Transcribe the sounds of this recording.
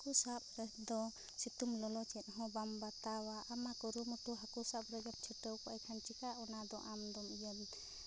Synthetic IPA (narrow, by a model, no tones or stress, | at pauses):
kusap̚ɾɛd̪ɔ | sit̪umlɔlɔt͡ʃɛt̪̚ɦɔ̃bambat̪awaʔamakɔɾumuʈuɦakusap̚ɾɛɡɛp̚t͡ʃʰiʈəwkɔajkʰant͡ʃikaʔɔnad̪ɔʔamd̪ɔmijɔm